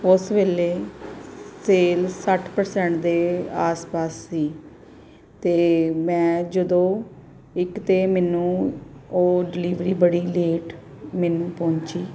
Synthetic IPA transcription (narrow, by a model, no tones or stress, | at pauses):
ʊsʋeːleː | seːlsəʈʰpəɾsɛ̃ɳʈd̪eːaːspaːsːiː | t̪eːmɛ̃ːd͡ʒəd̪õː | ɪkt̪eːmɛːnũːoːɖɪliːʋɾiːbəɽiːleːʈ | mɛːnũːpɔ̃ːɲt͡ʃiː